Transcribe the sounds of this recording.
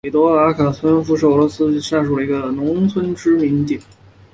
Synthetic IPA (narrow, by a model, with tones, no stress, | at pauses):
e˨˩t̪wɔ˧˥a˧˥kʰa˨˩t͡sʰwə˥nfu˧˥ʂɻ̩˥˩ɤ˧˥lwɔ˧˥sɹ̩˥ɕa˥˩ʂu˨˩lə˩i˧˥ɡə˧nʊ˧˥ŋt͡sʰwə˥nʈ͡ʂɻ̩˥mi˧˥nt̪i˥˩˦n